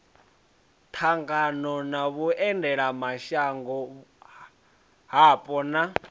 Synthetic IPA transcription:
t̪ʰaŋɡanɔnaβuɛndɛɺamaʃaŋɡɔ | ɦapʼɔna

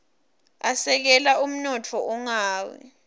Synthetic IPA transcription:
asɛk̬ɛlaum̩nɔtʰɔʔɔŋaːwɛ̰

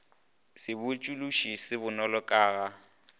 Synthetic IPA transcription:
sɪbʊt͡ʃʼuluʃisɪbʊnɔlɔkʼaːɣa

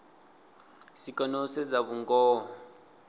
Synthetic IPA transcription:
sikʼɔnɔsɛzaβuŋɡɔː

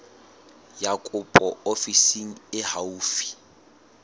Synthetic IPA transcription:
jakʼʊpʼɔofisiŋ̩ɪhauːfi̥

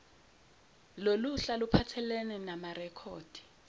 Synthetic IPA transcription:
loluɬalupʰatʰɛlɛnɛnamarɛkʰɔːd̥ʱi̥

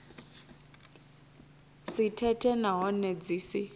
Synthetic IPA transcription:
sitʰɛtʰɛnaɦɔnɛd͡ziːsi

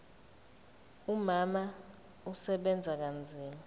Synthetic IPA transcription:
umama | usɛɓɛnd͡zʱak̬and͡zʱiːma

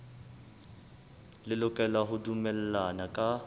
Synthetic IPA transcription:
lɪlʊkʼɛlaɦʊdumɛlɛlanakʼa

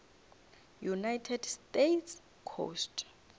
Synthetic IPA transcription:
junajtʰɛdstetʰs | kʰo̰st

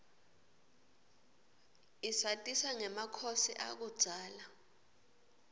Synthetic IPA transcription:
isatʼisaŋɛmakʰosḭʔa̰k̬ud̥z̥ʱaːla

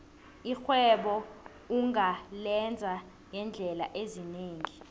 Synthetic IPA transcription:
ixwɛɓɔ | uŋʱalɛnd͡zʱa | jɛnd͡ɮʱɛla̰ʔezineːŋi

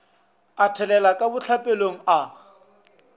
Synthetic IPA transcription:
atʰɛlɛlakʼabʊt͡ɬʰapʼeloŋ̩a

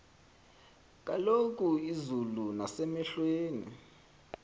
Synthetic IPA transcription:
k̬ʼalok̬ʼuizulunasɛmɛɬweːnḭ

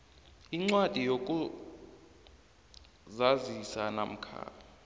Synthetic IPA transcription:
iŋ͡ǀwad̥ʱijok̬ʼu | zazisana̰m̩kʰa̰ːa

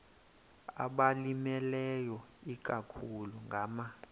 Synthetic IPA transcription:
a̰ɓalimɛlɛjɔik̬ʼakʰuluŋɡʱama

